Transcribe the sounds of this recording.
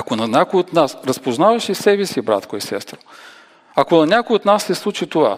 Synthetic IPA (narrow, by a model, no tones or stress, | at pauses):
ɐkonɐnʲakojot̪nasɾɐspoznavɐʃisɛbɛsibɾa̰t̪koisɛ̰st̪ɾo̥ | ɐkonɐnʲakojot̪nasːɛslˠut͡ʃit̪ova̰